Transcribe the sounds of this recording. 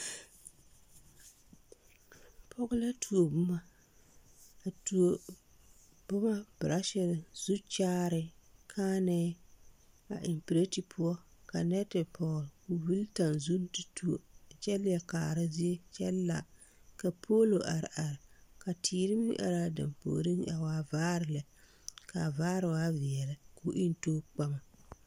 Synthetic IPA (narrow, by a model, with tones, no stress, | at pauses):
pʰɔ˦ɣʊ˦la˦tʰu˨o˨bʊ˦ma˦ | a˨tu˨o˨ | b̥ʊ˦ma˦bɾʔa˦ʃɛ˨ɾzu˦t͡ʃaː˦ɾɪ˨kʰaː˦nɛː˦ | a̰˨ʔɪ˨mpi˨ɾe˦ti˨pʰʊ˦ɔ˦ka˨nɛ˦tɪ˨pʰɔː˨lku˨vi˦lta˨nzu˦n˦ti˨tu˦o˨t͡ʃɛ˦ljɛ˨kaː˨ɾa˦zi˦e˦t͡ʃɛ˦lːa̰˨ | ka˨pʰo˦lo˨ʔa˨ɾɪ̰˨ʔa˨ɾɪ˨ka˨tʰiː˨ɾɨ˦m̰˦ʔa̰˨ɾa˦dɨ̰˨mpo̰ː˨ɾi˦ŋa̰˨waː˦vaː˦ɾɪ˨la˨ | ka˨vaː˦ɾɨ˨waː˦vɪ˨ɛ˨la˨ku˨ʔɪ˦n˦toː˦k͡pa˦ma˨